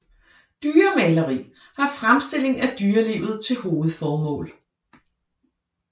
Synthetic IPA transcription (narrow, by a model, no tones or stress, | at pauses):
d̥yːɐmɛlɐʁḭː | hɑ̈fʁamsd̥e̝l̰e̝ŋæd̥yːɐle̝̰ːʊð̩ˠt͡sʰe̝lho̝ːð̞̩ˠfɒːmɔ̰̽ːl